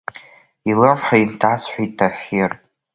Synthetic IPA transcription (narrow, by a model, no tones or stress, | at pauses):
ilɨrħaintʰasħʷᶣijtʰːaħerʼ